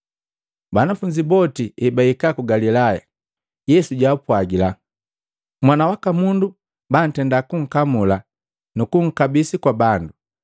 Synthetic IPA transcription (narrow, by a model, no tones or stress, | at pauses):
banafuɲd͡ʒibɔtiɛbaikakuɡalilaja̰ | jɛsuɟapwaɡila | mwanawakamundu | ban̩tɛndakuŋ̩kamula | nukuŋ̩kabisikwabandu